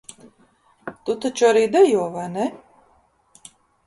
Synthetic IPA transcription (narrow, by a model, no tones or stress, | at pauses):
t̪ut̪at͡ʃaɾid̪ɛjɔːvanɛ